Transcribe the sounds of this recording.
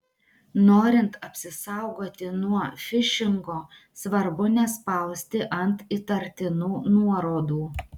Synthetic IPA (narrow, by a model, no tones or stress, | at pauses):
noːɾʲɪnt̪ɐpʲsʲɪsɑʊɡoːt̪ʲɪnuɔfʲɪʃʲɪŋɡoː | sʋɐɾbʊnʲɛspɐlˠsʲt̪ʲɪʔɐnt̪it̪ɐɾʲt̪ʲɪnuːnuɔɾoːd̪uː